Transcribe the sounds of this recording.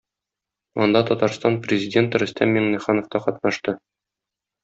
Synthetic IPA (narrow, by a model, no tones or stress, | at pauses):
ɒnd̪ɑt̪ɒt̪ɑɾst̪ɑnprʲɪzʲɪdʲe̞nt̪ɾɵ̆sʲt̪æmʲːiŋnʲiχɑnŏft̪ɑqɒt̪nɑʃt̪ɤ